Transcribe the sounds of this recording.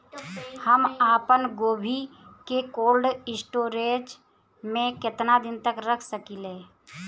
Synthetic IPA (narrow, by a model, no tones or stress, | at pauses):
həmaːpənɡoːbʱikekoːlɖɪsʈoːɾeːd͡ʒ | mẽkɪt̪nad̪ɪnt̪əkɾəkʰsəkileː